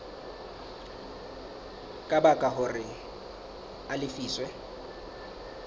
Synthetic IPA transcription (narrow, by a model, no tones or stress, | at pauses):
kʼabakʼaɦʊrɪ | alɪfiːswɛ